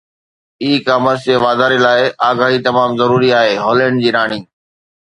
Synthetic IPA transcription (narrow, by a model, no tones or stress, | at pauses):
iːkaːməseʋaːd̪aːɾilaːɪaːɡaːɦit̪ɐmaːmzɐɾuːɾiaːɦeːɦoːlə̃ːɳɖ̚d͡ʑiːɾaːɽ̃iː